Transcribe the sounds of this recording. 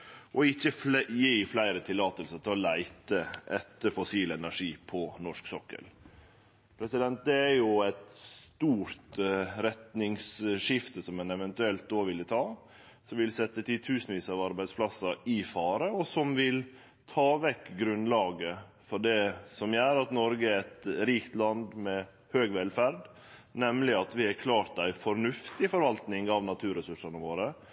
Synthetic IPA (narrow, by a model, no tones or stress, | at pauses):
ʔɔɪçːəjiːflæɪɾət̪ʰɪlːɑːt̪əlsəɾt̪ʰɪlɔlæɪt̪əʔɛt̪ːəɾfɔsiːlɛnæʂiːpʰɔnɔʂksɔkːə̰l | pʰɾɛsɪd̪ɛnt̪̚d̪ɛæɾjʊæt̪st̪uːɾt̪ɾɛt̪nɪŋsʂɪft̪əsɔmɛnɛʋɛnt̪ʉɛlt̪̚d̪oːʋɪlːət̪ʰɑː | sɔmʋɪlsɛt̪ːət̪ʰɪt̪ʰʉːsənʋiːsəɑʋɑɾbæɪd̪spʰlɑsɑɪfɑːɾəɔsɔmʋɪl | t̪ʰɑːʋɛkɡɾʉnlɑːɡə | fɔɖɛsɔmjæːɾɑt̪nɔɾɡəæɾɛt̪ɾiːkt̪lɑnd̪mɛ | høːɡʋɛlfæɾd̪ | nɛmlɪɑt̪ʋɪhækʰlɑːɾt̪æɪfɔɾnʉft̪ɪfɔɾʋɑlt̪nɪŋɑʋnɑt̪ʰʉːɾəsʉʂɑnəʋoːɾə